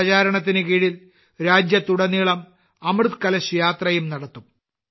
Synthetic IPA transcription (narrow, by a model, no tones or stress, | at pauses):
t͡ɕaːɾɐɳɐt̪ːinɨkiːɻil | ɾaːd͡ʑjɐt̪ːuɽɐniːɭɐm | ɐmrɨt̪kɐlɐɕujaːt̪rɐjumnɐɽɐt̪ːum